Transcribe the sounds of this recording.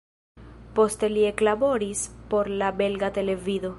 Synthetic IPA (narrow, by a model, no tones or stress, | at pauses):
po̞st̪e̞lieklabo̞ɾispo̞ɾlabe̞lɡat̪e̞le̞viðo̞